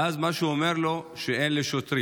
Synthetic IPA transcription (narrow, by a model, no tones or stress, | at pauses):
azmaʃeuomeʁloʃeʔenleʃot̪ɾi